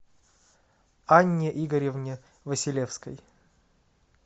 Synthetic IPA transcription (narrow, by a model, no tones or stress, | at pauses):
anʲːɪʔiɡəɾʲɪvnʲɪ | vəsʲɪlʲefskəj